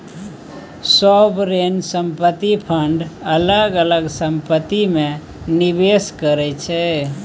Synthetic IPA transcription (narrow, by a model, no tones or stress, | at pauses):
səbɾensəmpət̪ːipʰəɳɖələɡələɡsəmpət̪ːime | nibeskəɾɛt͡ʃʰɛ